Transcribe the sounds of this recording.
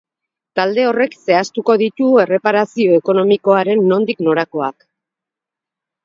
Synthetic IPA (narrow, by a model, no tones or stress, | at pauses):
t̪ald̪e̞o̞re̞kse̞ast̪uko̞ðit̪ue̞re̞paɾasio̞eko̞no̞miko̞aɾe̞nːo̞nd̪ikno̞ɾako̞a̰k